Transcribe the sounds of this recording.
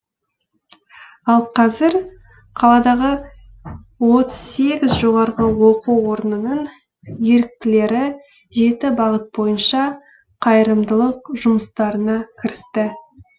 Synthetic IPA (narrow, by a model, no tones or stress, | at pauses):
ɑlˠqʰɑzɪɾ | qʰɑlˠɑd̪ɑʁə | wo̞t̪əz̥se̞ɡʲɪzʒo̞ʁɑɾʁəwo̞quwo̞ɾnənəɴ | je̞ɾɪk̚t̪ɪle̞ɾɪ | ʒe̞t̪ɪbɑʁət̪̚bo̞jənʃɑ | qʰɑjəɾəmd̪əlˠəqʒʊməst̪ɑɾənɑkʲʰɪɾɪst̪ɪ